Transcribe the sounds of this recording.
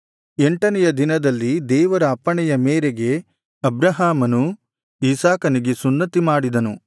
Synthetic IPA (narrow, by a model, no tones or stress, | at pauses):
eɳʈɐnɛjɐd̪inɐd̪ɐlːid̪ɛːʋɐɾɐːpːɐɳɛjɐmeːɾeɡe̞ | ɐbɾɐɦaːmɐnu | isaːkɐniɡe̞sunːɐt̪imaːɽid̪ɐnu